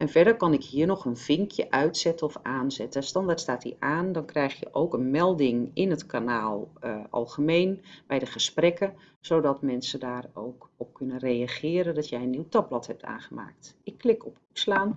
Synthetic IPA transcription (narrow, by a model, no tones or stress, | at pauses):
ʔɛnvɛɹdərkɑnɪkɦiːərnɔxənvɪŋkʰjə̰ʔœɥtsɛtəɔfaːnzɛtəstɑndaːtstaːtdḭʔaːndɔnkrɛjxjə̰ʔowkənmɛlˠdɪŋɪnətkʰanaːlˠʔɑ̰lˠxəmejnbɛjdəχəsprɛkə | z̥odɔtmɛnsədaːrowkɔp̚kʰønənrejaχɪːɾəndɔtjɛjənːiwtɑblɔthɛp̚tʰa̰ːnχəma̰ːk̚tɪkːlɪkɔpukslaːn